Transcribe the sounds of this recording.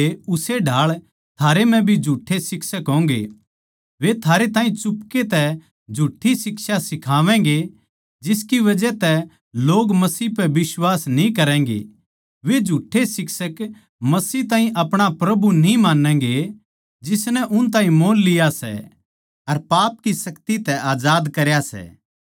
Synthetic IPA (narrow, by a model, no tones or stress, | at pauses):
eʊseɖʱaːɭ | t̪ʰaːɾem̤ɛ̃bʱid͡ʒʱuːʈʰːesɪksəkɦõːŋ̆ɡḛ | ʋet̪ʰaːɾet̪ãːĩt͡ʃʊpket̪ɛ | d͡ʒʱuːʈʰːisɪksasɪkʰaːʋɛ̃ːŋɡe | d͡ʒɪskiʋɐd͡ʒɛt̪ɛ | loːɡmɐsiːpɛbɪswaːsnĩkɐɾɛ̃ːŋɡḛ | ʋed͡ʒʱuʈʰːesɪksək | mɐsiːt̪ãːɦĩʔɐpɽ̃apɾɐbunĩmaːnɛ̃ːŋɡe | d͡ʒɪsnɛʔʊnt̪̬ãːĩmoːnlɪjasɛ̰ | ɐɾpaːp̚kisɐkt̪it̪ɛʔaːd͡ʒaːd̪kɐɾjasɛ̰ː